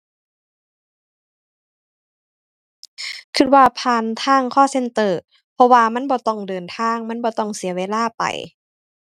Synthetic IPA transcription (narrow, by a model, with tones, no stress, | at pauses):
kʰɯ˧t̪̚waː˧pʰaː˧nt̪ʰaː˧˥˨ŋkʰɔː˧˥˨se˧˨nt̪ɤː˧˩ | pʰɔ˧waː˧ma˧˥˨nbɔː˧˦t̪ɔ˧˥˩ŋdɤː˨nt̪ʰaː˧˥˨ŋma˧˥˨nbɔː˧˦t̪ɔ˧˩ŋsi˨˦ɐweː˧˥˨laː˧˥˩pa̰˨˩j